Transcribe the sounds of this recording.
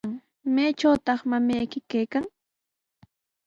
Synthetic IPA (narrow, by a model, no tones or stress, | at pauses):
ŋ | majʈ͡ʂawt̪ɑχmamajkɪkajkaŋ